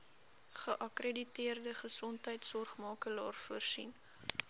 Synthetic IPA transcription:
χəʔɐkreditiərdəχəsɔntɦəjtsɔrχmɑːkəlɑ̰ːrfuərsḭn

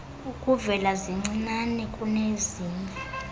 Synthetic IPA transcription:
ukʼuvɛlaziŋ͡ǀinanɛkʼuneziːna

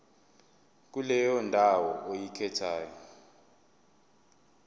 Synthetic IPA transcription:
k̬ulɛjɔndʱawɔʔojikʰɛtʰaːjɔ

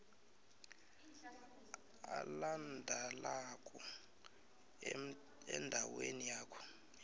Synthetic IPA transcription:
a̰landʱalakʼɔ | ɛ̰ndʱawenijaːkʰɔ̥

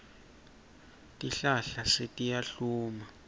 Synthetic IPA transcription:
tʼiɬaɬasetʼijaɬuːma

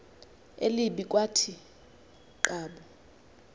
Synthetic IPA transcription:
ḛliɓik̬ʼwatʰi | ǃaːɓɔ

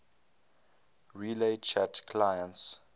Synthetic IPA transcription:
ɹilet͡ʃʰatkʰlajə̃ns

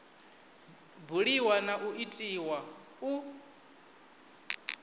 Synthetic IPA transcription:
buɺiwanaʔuʔitʼiwa | u

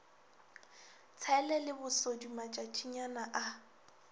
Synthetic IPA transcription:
t͡sʰɛlɛlɪbʊsodumat͡ʃʼat͡ʃʼiɲanaʔa

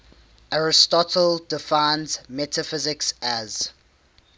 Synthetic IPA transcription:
ʔaɹɪstɔtʰəldɪfãɪnzmɛtʰəfɪzɪksæz̥

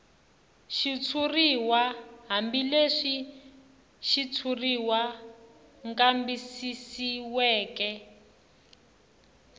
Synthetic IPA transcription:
ʃit͡sʰuriwaɦambileʂi | ʃit͡sʰuriwa | ŋkʼambisisiwɛːkɛ

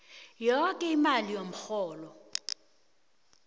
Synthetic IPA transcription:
jɔkʼɛimalijom̩xɔːlɔ

